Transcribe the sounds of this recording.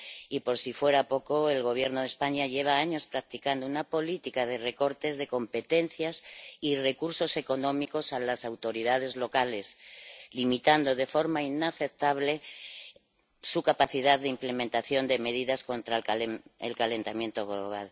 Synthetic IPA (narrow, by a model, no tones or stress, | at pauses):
ipo̞ɾsifwe̞ɾapo̞ko̞e̞lɣo̞β̞je̞ɾnoð̞espaɲaʎe̞β̞aaɲo̞spɾak̚t̪ikand̪ounapo̞lit̪ikað̞e̞re̞ko̞ɾt̪e̞zðe̞ko̞mpe̞t̪e̞n̟θjasire̞kuɾso̞se̞ko̞nõ̞miko̞salasawt̪o̞ɾiðað̞e̞zlo̞kale̞slimit̪and̪o̞ðe̞fo̞ɾmainaθe̞p̚t̪aβle̞ | sukapaθiðaððːeimple̞mẽnt̪aθjo̞nd̪e̞me̞ð̞iðasko̞nt̪ɾaḛlkale̞nt̪amje̞nt̪o̞ɣ̞lo̞̰β̞a̰l